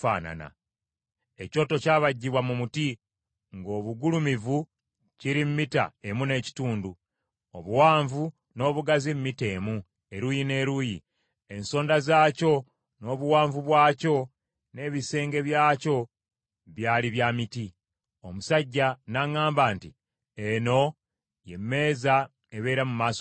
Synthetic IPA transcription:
fa̰ːna̰na̰ | e̞co̞ːto̞caːβaɟːiβwamumuti | ŋɡo̞ːβuɡulumivu | ciɾimmita̰e̞mune̞ːci̥tuːndu | o̞βuwaːɱvu | no̞ːβuɡazimmite̞ːmu | e̞ɾuːjine̞ːɾuːjḭ | e̞nso̞ːndazaːco̞ | no̞ːβuwaːɱvuβwaːco̞ | ne̞ːβise̞ːŋɡe̞βjaːco̞ | βjaːliβjamiti | o̞musaɟːanaŋaːmbaːnti | eno̞ | je̞mːe̞ːza | eβe̞ːɾamumaːso

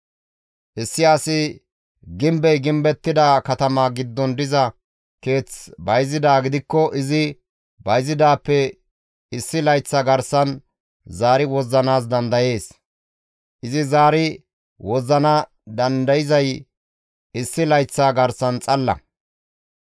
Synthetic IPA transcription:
ʔɪsːɪɐsɪ | ɡɪmbɛjɡɪmbɛt̪ːɪd̪ɐkɐt̪ɐmaːɡɪd̪ːɔnd̪ɪzɐ | ke̞ːt͡sbɐjzɪd̪aːɡɪd̪ɪkːɔʔɪzɪ | bɐjzɪd̪aːpːɛ | ɪsːɪlɐjt͡sːaɡɐɾsɐn | zaːɾɪwɔzːɐnaːs̬d̪ɐnd̪ɐje̞ːs | ʔɪzɪzaːɾɪ | wɔzɐnɐ | d̪ɐnd̪ɐjɪzɐj | ɪsːɪlɐjt͡sːaːɡɐɾsɐnt͡sʼɐlːɐ̰

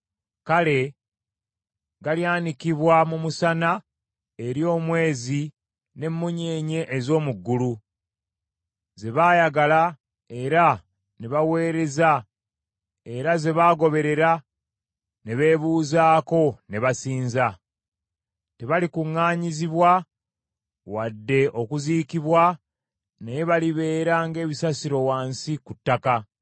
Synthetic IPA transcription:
kale̞ | ɡaljaːnikiβwamumusana | e̞ɾjo̞ːmwe̞ːzi | ne̞mːuɲeːɲe̞ʔːzo̞ːmuɡːulu | ze̞βaːjaɡala | e̞ɾa | ne̞βawe̞ːɾe̞za | e̞ɾaze̞βaːɡo̞βe̞ɾe̞ɾa | ne̞βe̞ːβuːzaːko̞ne̞βasiːnza | te̞βalikuŋːaːɲiziβwa | wadːe̞ʔo̞kuziːkiβwa | nejeβaliβe̞ːɾaŋɡe̞ːβisasiɾo̞waːnsikutːaka

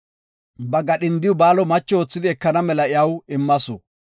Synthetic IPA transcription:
bɐɡɐɗɪnd̪ɪʊbaːlɔmɐt͡ʃːɔoːt͡sːɪd̪ɪɛkːɐnɐmɛlɐɪjɐwɪmːɐsɔ

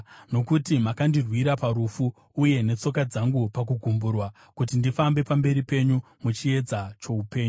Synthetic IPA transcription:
no̞kutimakandirwiɾapaɾufuː | je̞ne̞t͡so̞kad͡zaŋɡupak̬uɡʱumburwa | kut̬indifambe̞pambe̞ɾipe̞ɲu | mut͡ʃie̞d͡zat͡ʃo̞upe̞ːɲuu

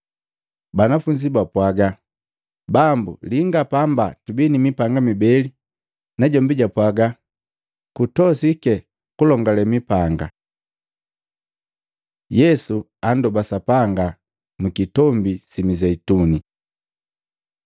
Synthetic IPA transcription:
banafuɲd͡ʒibapwaɡa | bambṵliŋɡapambatubinimipaŋɡamibɛli | naɟɔmbiɟapwaɡa | kutɔsikɛ | kulɔŋɡalɛmipaŋɡa̰ | jɛsu | andɔbasapaŋɡa | mukitɔmbisimizɛituni

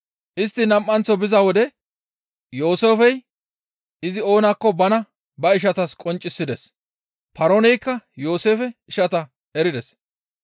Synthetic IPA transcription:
ʔɪst̪ːɪnɐmʔːɐnt͡sːɔbɪzawɔd̪ɛ | jo̞ːseːfɛj | ɪzɪo̞ːnakːɔbɐnɐ | bɐɪʃ̬ɐt̪ɐskʼɔnt͡ʃʼːɪsːɪd̪ɛs | pɐɾonɛjkːɐjo̞ːse̞ːfɛɪʃɐt̪ɐ | ɛɾɪd̪ɛs

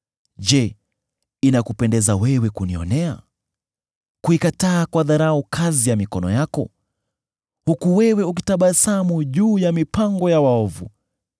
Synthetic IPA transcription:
ʄɛ | inakupɛndɛzawɛwɛkuniɔ̰nɛa̰ | kuikataːkwaðaɾaukʰazijamikɔnɔ̰jakɔ | hukuwɛwɛuk̬itaɓasamuʄuːjamipaŋɡɔjawaɔvu

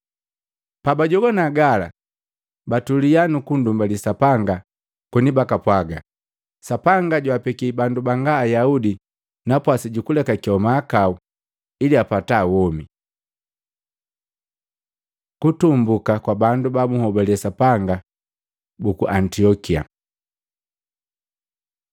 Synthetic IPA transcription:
pabaɟɔɡɔnaɡala̰ | batulijanukundumbalisapaŋɡa | kunibakapwaɡa | sapaŋɡaɟwapɛkibandubaŋɡaːjaudi | napwasiɟukulɛkakiɔmaːkau | iliapataːwɔmi | kutumbukakwabandubamuhɔbɛliɛsapaŋɡa | bukuʔantiɔkia̰

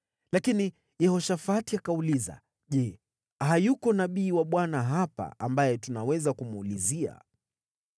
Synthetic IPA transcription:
lakini | jɛhɔʃafatiakauliza̰ | ʄɛ | hajukɔnaɓiːwaɓwanaɦapa̰ambajɛtunawɛzakumulizia̰

